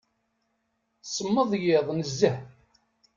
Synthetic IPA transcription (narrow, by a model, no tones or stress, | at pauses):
sˤəmːəðˤjɪðˤnəzːəh